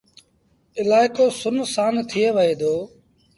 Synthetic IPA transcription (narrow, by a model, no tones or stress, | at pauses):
ɪlaːɪkoːsʊnsaːnt̪ʰɪjeːʋəɦeːd̪ʱoː